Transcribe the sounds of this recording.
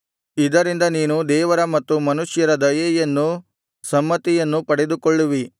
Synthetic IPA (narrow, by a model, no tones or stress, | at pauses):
id̪ɐɾind̪ɐniːnud̪ɛːʋɐɾɐmɐt̪ːumɐnuʂjɐɾɐd̪ɐjɐjɐnːu | sɐmːɐt̪ijɐnːupɐɽed̪ukɔɭːuʋi